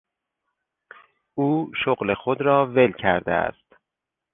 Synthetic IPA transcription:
uːʃoɣle̞xod̪ɾɒːve̞lcʰæɾd̪ḛæ̰st̪

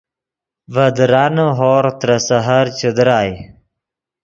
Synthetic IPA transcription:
vɐd̪ɾaːnəɦoːɾt̪ɾɐsɐɦaɾt͡ɕud̪ɾaːj

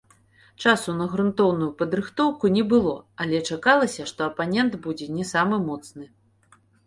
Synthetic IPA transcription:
t͡ʂasunɐɣɾunt̪ɔwnujupɐd̪ɾɨxt̪ɔwkunʲɛbɨlˠɔɐlʲɛt͡ʂakalˠɐsʲɐʂt̪ɔɐpanʲɛnd̪bud͡zʲɛnʲɛsamɨmɔt̪snɨ

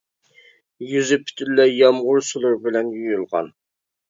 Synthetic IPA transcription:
jyzɪpʰy̥t̪ʰylːɛjɑmʁʊɾsulˠʊɾbɪlɛnjyojylˠʁɑ̰n

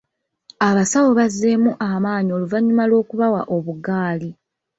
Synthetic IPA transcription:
aβasawo̞βazːe̞muʔamaːɲio̞luvaɲːumalo̞ːkuβawaʔo̞βuɡaːli

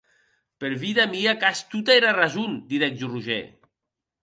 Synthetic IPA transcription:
peɾβiðamiakast̪ut̪aeɾarazund̪iðɛk̚d͡ʒuruʒḛ

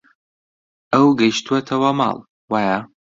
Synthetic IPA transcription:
ʔɐwɡɐjʃt̪uɐt̪ʰɐwɐmɑ̰ːlˠ | waːja

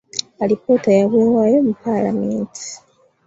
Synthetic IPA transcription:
alipoːtajaβeːwajomupala̰meːntʰi̥

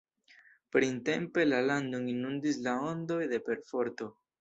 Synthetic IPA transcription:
pɾinte̞mpe̞laland̪oŋinund̪islao̞ndo̞jde̞pe̞ɾfo̞ɾto̞

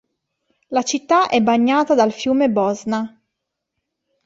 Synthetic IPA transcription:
lat͡ʃit̪ːaʔɛbaɲːaːt̪ad̪alfjuːmebɔzna

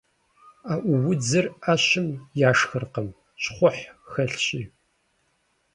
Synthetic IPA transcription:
aːʔʷʊwʊd͡zɨrɐɕɪmjaːʂxɨrqəm | ɕχʷʊħxɐɬɕʼiː

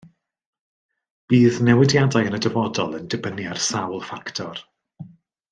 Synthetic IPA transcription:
b̥iːðnɛwɪdjadajənədəvɔdɔlˠəndɪbəniarsawlˠfaktʰɔr

